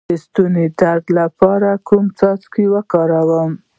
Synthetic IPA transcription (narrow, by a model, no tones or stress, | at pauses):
əst̪uned̪aɾd̪lapɑɾakumt͡sɑt͡skewəkɑɾawəm